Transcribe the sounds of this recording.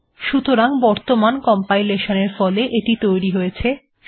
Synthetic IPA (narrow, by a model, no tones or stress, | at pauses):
ʃut̪oɾaŋbɔɾt̪omankɔmpajleʃoneɾfɔleʔeʈit̪ojɾiɦojet͡ɕʰe